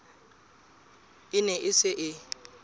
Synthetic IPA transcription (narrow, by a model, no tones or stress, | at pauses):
ɪnɛʔɪsɪʔɪ